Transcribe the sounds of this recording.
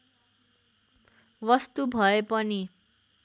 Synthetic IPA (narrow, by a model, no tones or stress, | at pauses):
wʌst̪ubʱʌepʌni